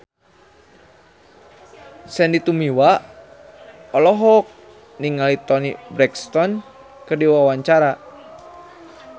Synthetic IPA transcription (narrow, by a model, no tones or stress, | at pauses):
sɛndit̪umiwa | ɔlɔɦɔk̚ | niŋalit̪ɔnibɾɛkst̪ɔn | kɨrdiwawaɲt͡ʃaɾa